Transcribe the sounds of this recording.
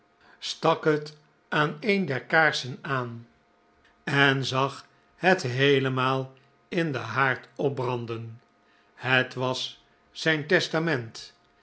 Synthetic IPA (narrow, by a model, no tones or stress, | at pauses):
stɑkɦət | ʔaːnejndɛɹkaːɹsənaːn | ɛnzɑχ | hətɦejləmaːlˠ | ɪndə̰ɦaːɹtɔb̚brɑndən | hətʋɑsː | ɛjntɛstamɛnt